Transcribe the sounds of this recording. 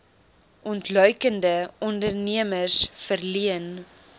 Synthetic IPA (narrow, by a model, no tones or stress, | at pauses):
ʔɔntlœɥkəndəɔndərniəmərsfərliən